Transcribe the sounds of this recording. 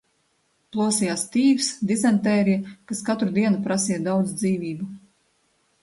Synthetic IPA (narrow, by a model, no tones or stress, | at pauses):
plˠuɔsijaːst̪iːvsd̪izɛnt̪ɛːɾikaskat̪ɾud̪iɛnupɾasijɐd̪awd̪zd̪ziːvʲiːbu